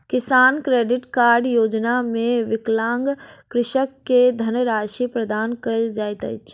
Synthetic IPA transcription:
kɪsaːnkɾeːɖɪʈkaːɾɖjoːd͡ʒnamẽʋɪklaːŋɡkɾɪʃəkːed̪ʱənəɾaːʃipɾəd̪aːnkəld͡ʒaːjt̪ə̰jt͡ʃʰ

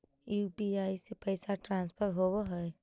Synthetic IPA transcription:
juːbiaːisepəɪsaʈɾãːnspʰəɾɦoːwoɦɛe

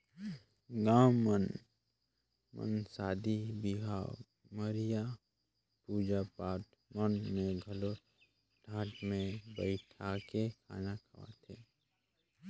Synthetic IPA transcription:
ɡãːmən | mə̰nsaːd̪ʱibiɦa̰ | məɾija | puːd͡ʒapaːt̪ | mənmẽɡʱəlo | ɖʱaːʈmẽbəɪʈʰakekʰa̰ːnakʰɐʋa̰t̪ʰeː

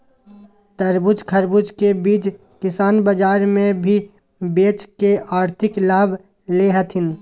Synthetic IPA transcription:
t̪əɾbʊd͡ʒkʰəɾbʊd͡ʒkebiːt͡ʃ | kɪsaːnbəd͡ʒaːɾmẽbʱi | beːt͡ʃkeʔaːɾt̪ʰɪklaːb | leːɦət̪ʰɦɪn

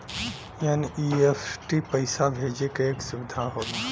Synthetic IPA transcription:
eniepʰʈipəɪsabʱed͡ʒekeeksʊʋɪd̪ʱaɦod̪

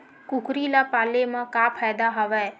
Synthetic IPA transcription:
kukɾilapalemãkapʰajd̪aɦɔʋɛ

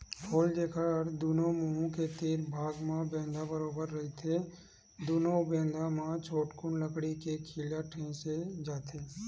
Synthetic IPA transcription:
kʰoːld̪eːkʰəɾd̪uːnomuũket̪iːɾbʱaːɡmãbɛ̃ːnd̪ʱabəɾoːbəɾːɐɦit̪ʰe | d̪uːnobẽːnd̪ʱãmãt͡ʃʰoːʈkʊnləkɽikekʰiːljaʈʰẽːsed͡ʒaːt̪ʰeː

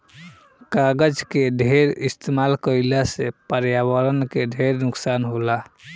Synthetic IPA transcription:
kaɡəd͡ʒkeɖʱeɾist̪emalkəjlasepəɾjawəɾənkeɖʱeɾnuksanɦola

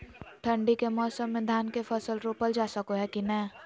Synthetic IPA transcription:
ʈʰə̃ɳɖikemɔːsəmːẽd̪ʱaːnkefʰɐsəlɾoːpəld͡ʒaːsəkoɦɛkinɛː

